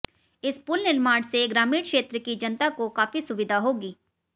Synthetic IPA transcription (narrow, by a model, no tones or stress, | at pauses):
ɪspʊlnɪlmaːɽseɡɾaːmiːɽkʃeːt̪ɾəkid͡ʒɐnt̪akokaːfisʊʋɪd̪ʱaɦoːɡiː